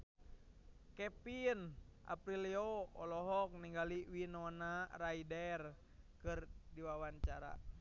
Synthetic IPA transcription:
kɛpinʔa̰pɾilioɔlɔɦɔk̚niŋɡaliwinɔnaraidɛr | kɨrdiwawaɲt͡ʃaɾa̰

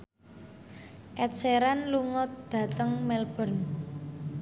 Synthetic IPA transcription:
ʔɛt̪seɾanluŋɔt̪̚d̪̥ä̤t̪əŋmɛlb̥ɔ̤n

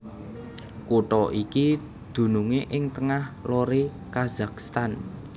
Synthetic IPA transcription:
kuʈɔʔiki | d̪̥ṳnuŋeʔɪŋt̪əŋahloɾe | kazakst̪an

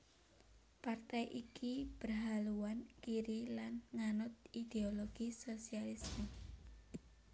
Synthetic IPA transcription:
part̪ɛjʔikib̥ərɦaluwankiɾilanŋanʊt̪̚id̪̥eoloɡ̥isosialismi

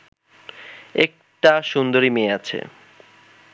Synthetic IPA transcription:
ek̚ʈaʃund̪oɾimeeat͡ɕʰḛ

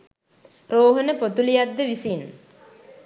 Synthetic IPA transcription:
ɾoːɦənəpot̪ulijad̪ːəʋisin

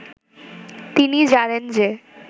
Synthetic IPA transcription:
t̪inid͡ʑanend͡ʑe

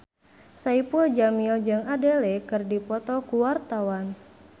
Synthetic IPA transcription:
saipud͡ʒamild͡ʒɨŋadelɛkɨrdipɔt̪ɔkuwart̪awan

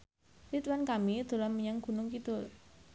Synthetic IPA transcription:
lit̪wankamid̪̥o̤lanməɲaŋɡ̥ṳnʊŋkit̪ʊr

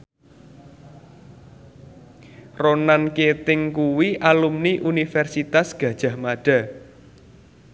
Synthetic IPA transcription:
ronanket̪ɪŋkuwiʔalumniʔunifɛrsit̪asɡ̥ä̤d̥ʒ̥ä̤hmaɖ̥a̤

